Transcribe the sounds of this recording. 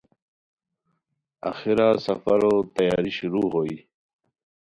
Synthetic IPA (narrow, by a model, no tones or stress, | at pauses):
a̰xiɾasafaɾot̪ajɑːɾiɕuɾuːɣoi